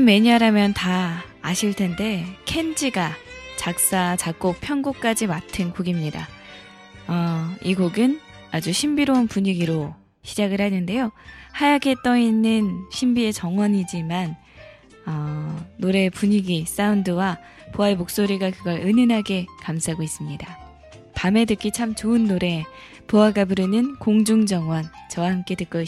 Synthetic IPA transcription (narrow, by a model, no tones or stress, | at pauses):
mme̞ɲiaɾamjʌntaː | ɕʰiɭtʰe̞nde̞kʰe̞nd͡ʑiɡat͡ɕak̚s͈at͡ɕakk͈opʰjʌnɡok̚k͈ad͡ʑimatʰɯnkoɡimɲida̰ | ʌiɡoɡɯn | ad͡ʑuɕʰimbiɾounpuɲiɡiɾo | ɕʰid͡ʑaɡɯɭhanɯnde̞johajaɡe̞t͈ʌinːɯnɕʰimbie̞t͡ɕʌŋwʌɲid͡ʑiman | ʌːoɾe̞puɲiɡis͈aundɯwa | poaemok̚s͈oɾiɡakɯɡʌɾɯnɯnɦaɡe̞kamsʰaɡois͈ɯmɲida | pame̞dɯk͈it͡ɕʰamt͡ɕoɯnːoɾe̞ | poaɡabuɾɯnɯnkoŋd͡ʑuŋd͡ʑʌŋwʌnt͡ɕʌwahamk͈e̞tɯk͈ʌ